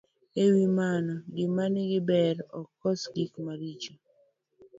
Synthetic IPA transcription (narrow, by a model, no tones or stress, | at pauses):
ewimanɔɡɪmanɪɡɪbɛɾɔkɔsɡikmaɾit͡ʃo